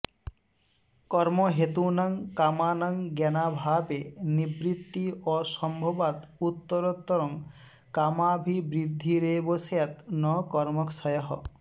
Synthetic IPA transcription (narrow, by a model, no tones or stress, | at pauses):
kɔɾmoɦet̪unaŋkamanaŋɡɛnabʱabenibɾit̪ːiɔsɔmbʱɔbat̪ut̪ːɔɾɔt̪ːɔɾɔŋ | kamabʱibɾid̪ʱːiɾebosjat̪nɔkɔɾmɔksɔjɔɦɔ̰